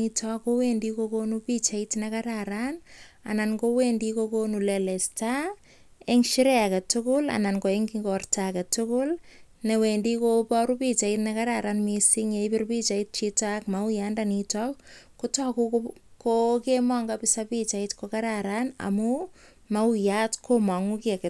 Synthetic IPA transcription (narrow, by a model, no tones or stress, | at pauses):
itɔkowendikokonupit͡ʃaitnakaɾaɾana̰nankowendikokonulelɛsta | eŋʃiɾɛakatʊkʊla̰nankoeŋɡiŋɡɔrtakatʊkʊlnewendikopɔɾupit͡ʃaitnakaɾaɾanmisiŋeipɪrpit͡ʃait̚t͡ʃitakmaujandanitɔkkutɔkukokemɔŋɡapɪsapit͡ʃaitkokaɾaɾana̰mu | maujatkʰomaŋukiakɛ